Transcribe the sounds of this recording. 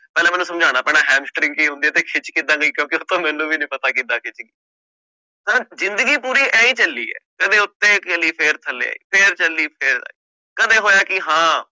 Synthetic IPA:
pɛːlɛːmɛːnũsəmd͡ʒʱaːñaːpɛːnaːɦɛ̃ːmsʈɾɪ̃ŋkiːɦʊ̃nd̪iːɛːt̪eːkʰɪt͡ʃkiːd̪ãːɡəiːkjõːkɪʊt̪ːõːmɛːnːũːbiːnĩːpət̪aːkid̪aːkʰɪt͡ʃɡiː | t̪aːzɪ̃nd̪əɡiːpuːɾiːʔɛːĩːt͡ʃəlːḭːɛ̰ːkəd̪ẽːʊt̪ːẽːkəliːpʰeɾt̪ʰəlːḛːa̰ːḭːpʰɪɾt͡ʃəlːiːpʰɪɾ̰iː | kəd̪ẽːɦoːjaːkɪɦãː

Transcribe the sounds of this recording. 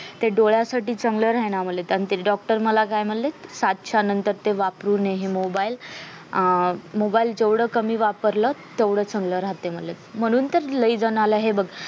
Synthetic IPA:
t̪eɖoɭjasaʈiːt͡səŋɡləɾanam̤əlet̪añit̪eɖɔk̚ʈəɾməlakajm̤əɽlesad̪̚t͡ɕʰanənt̪əɾt̪eʋapɾuːneɦemobail | mobaild͡ʑeʋɽəːkəmiːʋapəɾlət̪eʋɽəːt͡səŋɡləɾat̪ːem̤əllet̪m̤əɽ̃uːnt̪əɾləid͡zənaləɦebəɡ

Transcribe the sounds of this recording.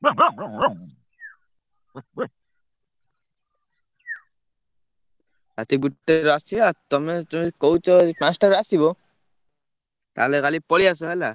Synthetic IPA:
at̪ibutːeɾasiat̪ɔmɛtɔmkɔwt͡ʃɔpãstaɾasiβɔ | ta̰lɛkalipɔlias̬ɔɦala

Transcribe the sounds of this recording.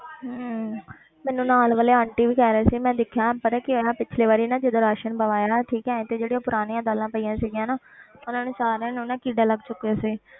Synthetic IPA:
ɦ | mɛːnũːnaːlʋəleːãːɳʈiːʋiːkɛːɾəɛːsiːmɛ̃ːd̪ɪkʰjãːpəɾɛkɪnãːpɪt͡ʃʰleːʋaːɾiːnãːd͡ʒɪd̪õːɾaːʃənbəʋaːjaːʈʰiːkɛ̃ːt̪eːd͡ʒeːɽijãːpʊɾaːnĩːãːd̪aːlãːpəijãːsiːɡɪjãːnaːʊnãːnẽːsaːɾɛ̃ːnːnãːkiːɖaːləɡt͡ʃʊkːejaːsiː

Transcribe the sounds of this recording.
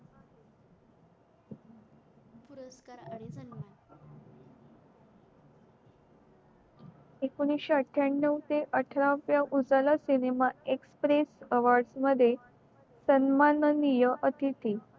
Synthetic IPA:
puɾəskaɾa | ekuñiɕaəʈʰːjaɳːəwt̪eʔəʈʰɾaʋjaʔud͡zalasinemaekspɾesəʋaɾɖsməd̪ʱːje | sənmannijəʔət̪ʰit̪ʰi

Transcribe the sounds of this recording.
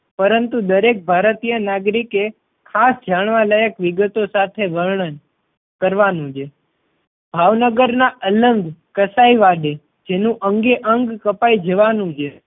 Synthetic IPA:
pəɾənt̪ud̪əɾek̚bʱaɾət̪ijənaɡɾike | kʰasd͡ʒaɳ̃ʋaləjəkʋiɡət̪osat̪ʰeʋəɾɳən | kəɾʋanũd͡ʒe | b̥ʱaʋnəɡəɾnaʔələŋɡkəsaiʋaɖe | d͡ʒenũʔəŋɡeʔəŋɡkəpaid͡ʒəʋanũd͡ʒe

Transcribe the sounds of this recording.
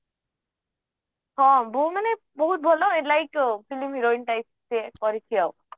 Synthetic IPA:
ɦɔ̃bumane | bɔɦut̪̚bʱɔloelajkpʰilimɦiɾoinʈaj | sekɔɾit̪ʰijʌw

